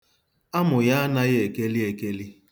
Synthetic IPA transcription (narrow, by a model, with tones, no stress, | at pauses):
a˦mʊ˨ja˦a˦na˦ɣɪ˦e˨ke˦li˦e˨ke˦li˦